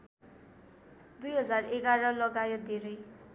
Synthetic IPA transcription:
d̪ujɦʌd͡zareɡaɾʌlʌɡajʌd̪ʱeɾʌj

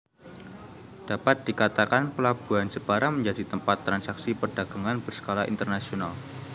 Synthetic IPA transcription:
d̥apat̪̚d̥ikat̪akanpəlab̥uansəb̥aɾaməɲd͡ʒadit̪əmpat̪ːɾansaksipərdaɡ̥aŋanbərsə̥kolaʔḭnt̪ərnasional

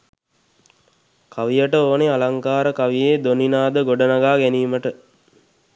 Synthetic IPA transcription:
kʰaʋijəʈəoːnealaŋkaːɾəkaʋijeːd̪oninaːd̪əɡoɖənaɡaːɡæniːməʈə

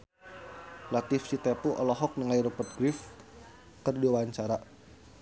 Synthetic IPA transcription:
lat̪ifsit̪epuʔɔlɔɦɔk̚nəŋaiɾupərt̪̚ɡɾif | kərduwaɲt͡ʃaɾa

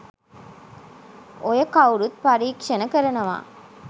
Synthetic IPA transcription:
ojəkawɾut̪̚paɾiːkʂɐnəkəɾɐnɐʋa̰ː

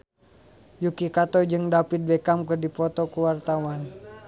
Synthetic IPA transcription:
jukikat̪ɔd͡ʒɨŋdapit̪̚bɛkamkɨrdipɔt̪ɔkuwart̪awan

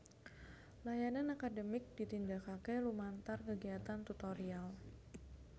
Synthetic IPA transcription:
lajananakadəmɪk̚dit̪indakakɛlumant̪arkəɡiat̪ant̪ut̪oɾial

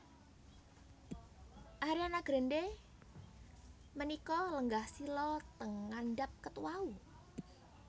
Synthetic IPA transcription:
ʔaɾianaɡ̥ɾende | mənikɔləŋɡahsilɔt̪əŋanɖap̚kət̪uwau

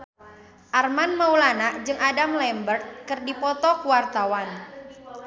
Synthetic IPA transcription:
ʔarmanmaulanaʔd͡ʒɨŋʔadamlɛmbərt̪̚kɨrdipɔt̪ɔkuwart̪awan

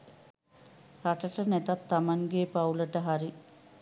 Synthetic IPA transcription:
ɾaʈəʈənɛt̪at̪ːamaŋɡeːpauləʈəɦaɾi

